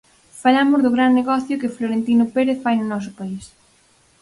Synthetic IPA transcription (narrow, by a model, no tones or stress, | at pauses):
falamʊzðʊɣɾanːeɣɔθjʊkɪfloɾent̪inʊpeɾeθfajnʊnɔs̬ʊpais